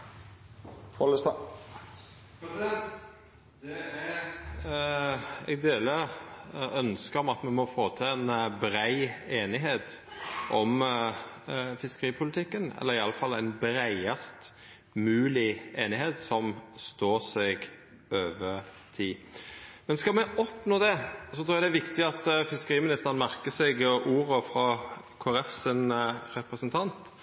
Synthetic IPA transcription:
fɔləst̪ː | ɛ̰ɡd̪eːlə | œnskəɾɔmɑt̪mɛmɔfoːt̪ʰɪænbɾæɪeːnɪɦeːt̪ʔɔm | fɪskəʁiːpʰʊlɪt̪ʰɪkːənɛ̰lːəʁɪɑlːəfɑlːæɪnbɾæɪɑst̪ | mʉːlɪeːnɪɦeːt̪sɔmst̪oːsɛɡ | øːʋə | t̪ʰiːmɛnskɑlmɛʔɔpnoːd̪ɛsɔt̪ʰɾuːjɑd̪ɛæʋɪkt̪ɪɑt̪fɪskəʁiːmɪnɪst̪əʁənmæɾkəsɛɡʔuːɾəfɾɑ | kʰoːɾɛfsɪnɾɛpɾəsənt̪ʰɑnt̪

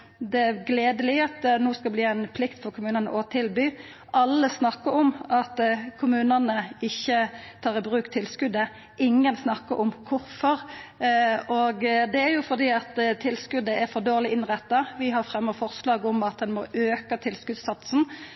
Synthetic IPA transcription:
d̪ɛæɾɡleːd̪əlɪɑt̪noːskɑbliːæɪnpʰlɪkt̪fɔɾkʰʊmʉːnənə̰ʔɔt̪ʰɪlbyː | ʔɑlːəsnɑkːəɾɔmɑt̪kʰʊmʉːnənəɪçːət̪ʰɑːʁɪbʁʉːkt̪ʰɪlskʉd̪ə | ɪŋːənsnɑkːə̰ɾʔɔmkʰʊɾfɔɾ | oɡd̪ɛæɾjʊfɔʁd̪iːɑt̪t̪ʰɪlskʉd̪əæɾfɔd̪oːʁlɪʔɪnʁɛt̪ːɑʋɪɦɑʁfɾɛmːəʁfɔʁslɑːɡɔmɑt̪̚d̪ɛnmoːʔøːkət̪ʰɪlskʉd̪sɑt̪sn̩

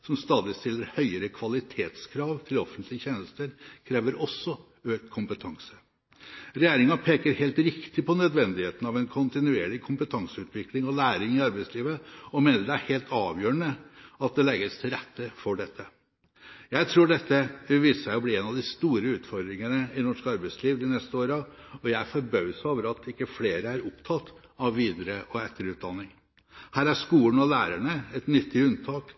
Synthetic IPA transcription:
sɔmst̪ɑːd̪ɪst̪ɪlːəɾhœʏəɾəkʰʋɑlɪt̪ʰeːt̪skʰɾɑːʋt̪ʰɪlɔfənt̪ʰlɪəçeːnəst̪əɾkʰɾeːʋəɾʔɔsːɔ | øːk̚t̪kʰʊmpət̪ʰɑŋsə | ɾɛjeːɾɪŋɑpʰeːkəɾheːlt̪ɾɪkt̪ɪpʰɔnœd̪ʋɛnd̪ɪheːt̪ən̩ɑʋɛnkʰʊnt̪ɪnʉeːɭɪkʰʊmpət̪ʰɑŋsəʉːt̪ʰʋɪklɪŋɔlæːɾɪŋɪɑɾbæɪsliːʋəɔmeːnəɖɛæɾheːlt̪ʰɑːʋjøːɾəɳəɑt̪̚d̪ɛlɛɡəst̪ʰɪlɾɛt̪ʰːəfɔɖɛt̪ʰːə | jæɪt̪ʰɾuːɖɛt̪ːəʋiːsəʂæɪɔbliːeːnɑʋd̪ɪst̪uːɾəʉːt̪fɔɾd̪ɾɪŋənəɪnɔʂkɑɾbæɪsliːʋd̪ɪnɛst̪əoːɾəɔjæɪfɔɾbœʉsoːʋəɾɑt̪ɪkːəfleːɾəæɾʊpt̪ʰɑt̪ːɑʋːiːd̪ɾəʔɔɛt̪ːəɾʉːt̪̚d̪ɑnːɪŋ | hæːɾæʂkuːəɳəɔlæːɾæɳəɛt̪nʏt̪ːɪʉnt̪ʰɑːk

